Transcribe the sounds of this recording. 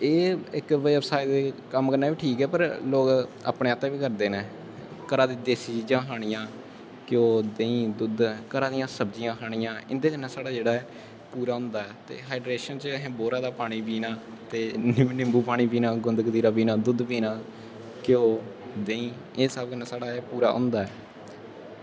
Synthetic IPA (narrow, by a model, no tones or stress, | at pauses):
eːɪkʋəəpsaːɪd̪eːkəmkəɾnaːʋiːʈʰiːkɛːpəɾloːka̰ːpɳeːaːt̪ːɛ̃ːʋiːkəɾd̪eːneː | kəɾaːd̪id̪eːsiːd͡ʒd͡ʒãːɦaːɽ̃ɪjãː | kɪjoːd̪eːĩːd̪ʊd̪kəɾaːd̪ijãːsəbd͡ʒijãːɦaːɽ̃ijãːɪ̰nd̪eːkənːɛːsaːɽaːd͡ʒeːɽaːɛ | puːɾaːɦʊ̃ːnd̪aːɛːt̪ḛːɦaːɪɖɾeːʃənt͡ʃɦɛ̃ːboːɾãːd̪aːpaːɽ̃iːpiːnaː | t̪eːnɪnɪmbuːpaːɽ̃iːpiːnaːɡʊnd̪ɡd̪iːɾaːpiːnaːd̪ʊd̪piːnãː | kɪjoːd̪ẽːĩː | eːsabkəneːsaːɽaːpuːɾaːɦʊ̰̃ːnd̪aːɛː